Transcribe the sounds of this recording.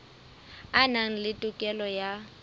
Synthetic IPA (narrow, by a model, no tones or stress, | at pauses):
anaŋ̩lɪtʼʊkʼɛlɔja